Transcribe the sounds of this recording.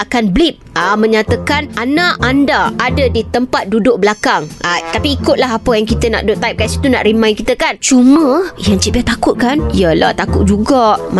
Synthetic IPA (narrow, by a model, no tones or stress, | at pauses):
akanblip̚amə̃ɲãt̪əkanʔanaʔandaːdadit̪əmpat̪̚dudʊʔ̚bəlakaŋat̪apiːkʊt̪̚laɦapəjaŋkit̪əna̰ʔ̚dot̪ːaip̚kasit̪una̰ʔɾimãjkit̪əkant͡ʃumə̃jaŋt͡ʃibiat̪akʊt̪̚kanjala̰t̪akʊt̪̚d͡ʒuɡaʔm